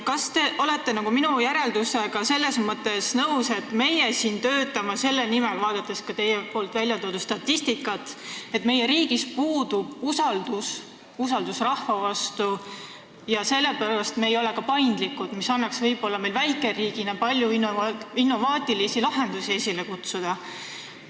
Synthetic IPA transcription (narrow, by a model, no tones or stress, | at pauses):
kɑst̪e̞ʔo̞le̞t̪ˑːe̞nɑɡ̥uminujæɾe̞ld̪use̞ɡ̥ɑse̞lːe̞smɤt̪ːˑe̞snɤwse̞t̪ˑme̞jesiːnt̪øːt̪ːˑɑmɑse̞lːenimelvɑːd̪̥ɑt̪ːˑe̞skɑt̪e̞jepo̞ːlt̪vælʲjɑt̪oːd̪ust̪ɑt̪ːist̪ikːˑɑt̪e̞t̪me̞jːeɾiːɡ̥ispuːd̪ub̥usɑld̪̥us | usɑld̪usrɑhvɑvɑst̪u | jɑse̞lːepæɾɑst̪meːjo̞le̞kɑpɑjnd̪likud̪̥misɑnːɑksvɤjb̥o̞lːɑme̞jlvæjkˑe̞riːɡ̥inɑpɑlʲjuininːo̞vɑːt̪ˑilisilɑɦe̞nd̪̥usiesʲilekut̪sud̪̥ɑ